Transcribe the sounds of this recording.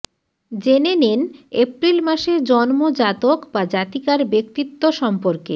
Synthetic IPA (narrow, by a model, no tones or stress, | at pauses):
d͡ʑenenenepɾilmaʃeɾd͡ʑɔnmod͡ʑat̪okbad͡ʑat̪ikaɾbekt̪it̪ːoʃɔmpoɾke